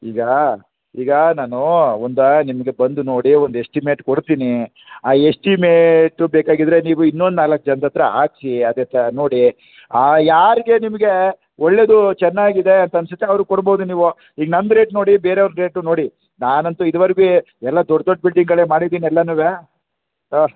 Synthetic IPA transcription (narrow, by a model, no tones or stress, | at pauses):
iːɡɐ | iːɡɐnaːnuond̪ɐnimɐɡe̞bɐnd̪uno̞ːɽiond̪esʈimeːʈkoɽt̪iːni | aːesʈimeːʈːubeːkaːɡid̪ɾe̞niːʋuinːond̪naːlɐkːɐd͡ʒɐnt̪ɐt̪ɾɐaːksiɐd̪ɛnt̪ɐno̞ːɽi | ajaːɾiɡe̞nimɐɡe̞ | oɭːe̞d̪ut͡ʃɛnːaːɡid̪e̞ɐnt̪ɐɐnsut̪ːeɐʋɾukɔɽboɦud̪uniːʋu | iːɡɐnɐnd̪ɾe̞ːʈno̞ːɽibeːɾeond̪ɾe̞ːʈuno̞ːɽi | naːnɐnt̪uid̪uʋɐɾɡu | ɛlːɐd̪ɔɖd̪ɔɖbilɖiŋɡɐɭeːmaːɽid̪iːniɛlːɐnuːʋe